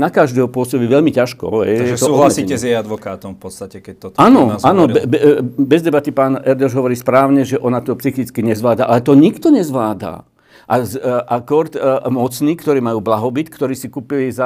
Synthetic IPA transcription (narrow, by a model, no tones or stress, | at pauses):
nakaʒd̪ɛːɦɔpʊɔsɔbiʋɛʎmicaʃkɔ̰ɦɛ̰jaɛst̪ɔuːɦlsiːɛzjɛjad̪ʋɔkaːt̪ɔmfpɔt̪st̪acɛkɛc̚t̪ɔt̪aːnɔzanɔɛbbɛzd̪ɛbat̪ipaːnɛɾd̪ɔʒɦɔʋɔɾiːspɾaːʊɲɛʒɛʔɔnat̪ɔpsixit͡skiɲɛzʋlaːd̪aʔalɛt̪ɔɲikt̪ɔɲɛzʋlaːd̪a̰ | ʔazʔakɔɾt̪mɔt͡sniːkt̪ɔɾiːmajuːblaɦɔbit̪kt̪ɔɾiːsikuːpiliza